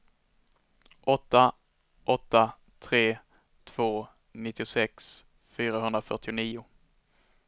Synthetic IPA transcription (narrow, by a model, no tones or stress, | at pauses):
ʔɔt̪ːa | ʔɔt̪ːa | t̪ʰɾeː | t̪ʰv̥oː | nɪt̪ːɪʊsɛks | fyːɾaɦɵnd̪ɾafœ̰ʈɪʊniːʊ